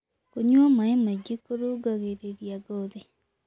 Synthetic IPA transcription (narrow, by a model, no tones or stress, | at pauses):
koɲwamaemad͡ʒekoɾoɡaɣeɾeɾjaɡoðe